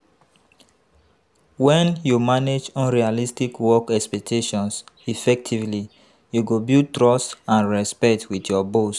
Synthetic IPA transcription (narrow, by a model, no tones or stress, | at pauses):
wɛ̃njumaned͡ʒɔ̃nɹialistikwɔkɛkspɛk̚tʰeʃɔ̃nsifɛk̚tʰivli | juɡobiltɹɔstãnɹɛspɛtʰwitjɔbos